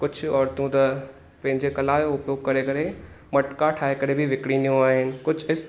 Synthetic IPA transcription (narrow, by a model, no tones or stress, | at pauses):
kʊd͡ʑʱʊ̆ɔːɾt̪ũt̪ɐ | pɐ̃ɦɪ̃ɲd͡ʑekɐlaːjoʊpjoːɡ̚kɐɾekɐɾe | mɐʈkaʈʰaːɦekɐɾebʱɪʋɪkɽinijũaːɦɪnɪ̆kʊd͡ʑʱɪs